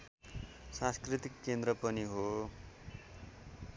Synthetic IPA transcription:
sãskrit̪ikːend̪rʌpʌniɦo

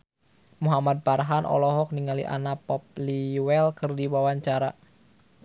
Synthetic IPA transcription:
muɦamad̪̚parɦanʔɔ̰lɔɦɔk̚niŋalḭʔa̰napɔp̚liwɛlkɨrdiwawaɲt͡ʃaɾa

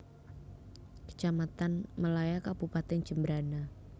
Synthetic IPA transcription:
kə̥t͡ʃamat̪anməlajakab̥upat̪ɛnd͡ʒ̥əmbəɾana

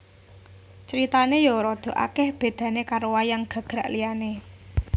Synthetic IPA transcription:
t͡ʃɾit̪anejɔɾɔd̪̥o̤ʔa̰kɛhb̥e̤d̪̥ä̤nekaɾowajaŋɡ̥ä̤ɡ̥ɾaʔlijane

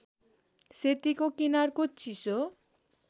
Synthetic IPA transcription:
set̪ikokinaɾkotːt͡ɕʰiso

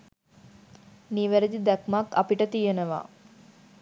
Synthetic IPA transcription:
niʋeɾed̪id̪ækmaka̰piʈət̪ijenəʋa̰ː

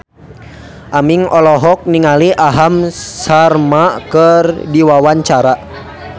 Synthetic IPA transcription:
ʔamiŋɔlɔɦɔk̚niŋaliʔaɦamsarmakərdiwawaɲt͡ʃaɾa

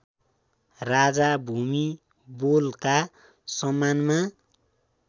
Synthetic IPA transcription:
rad͡zabʱumi | bolka | sʌmanma

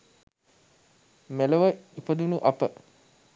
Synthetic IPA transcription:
meləʋəipəd̪unuʔapə

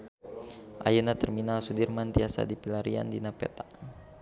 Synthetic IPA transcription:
ʔa̰jənat̪ərminalsudirmant̪iasa̰dipilaɾia̰ndinapɛ̰t̪a

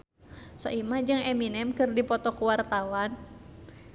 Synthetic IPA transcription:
sɔ̰imahd͡ʒɨŋɛminɛmkɨrdipɔt̪ɔkuwart̪awan

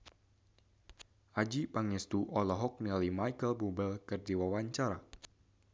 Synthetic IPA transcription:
ʔad͡ʒipaŋɛst̪uʔɔlɔɦɔk̚nɛlimajkəlbubəlkɨrdiwawaɲt͡ʃaɾa

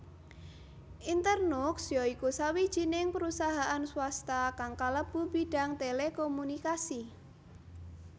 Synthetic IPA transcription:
ʔint̪ərnʊksjɔikusawid̥ʒ̥i̤nɪŋpəɾusaɦaʔanswast̪akaŋkaləb̥ubiɖ̥a̤ŋt̪elekɔmunikasi

